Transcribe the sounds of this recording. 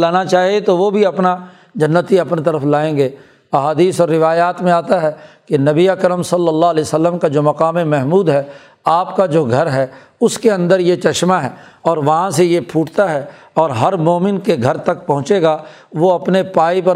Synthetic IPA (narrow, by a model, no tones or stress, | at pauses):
laːnat͡ʃaːɦiet̪oʋobʱiɐpna | d͡ʒɐnːət̪iɐpnit̪ɐɾəfʰlaːẽːŋɡeː | ɐɦaːd̪iːsɔːɾːɪʋaːjaːt̪mẽaːt̪aɦɛːkenɐbiakɾəmsɐlːəlːaɦlɛːsəlːəmkad͡ʒoːmɐqaːmemɛɦmuːd̪ɦɛː | aːpkad͡ʒoːɡʱɐɾɦɛː | ʊskeɐ̃nd̪əɾjet͡ʃɐʃmaɦɛːɔːɾʋɐɦãsejepʰuːʈt̪aɦɛ | ɔːɾɦɐɾmoːmɪnkeɡʱɐɾt̪ɐk̚pɐ̃ɦʊ̃t͡ʃeːɡaː | ʋoɐpnepaːipɐ